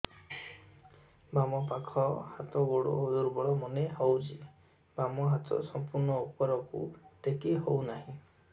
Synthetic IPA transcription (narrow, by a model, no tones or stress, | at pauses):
bamɔpakʰɔhat̪ɔɡoɽo̰ɦod̪uɾbɔɭɔmɔneɦɔwd͡ʒi | bamɔɦat̪ɔ̰sɔmpuɾnɔupɔɾɔkṵʈekeɦownaɦĩ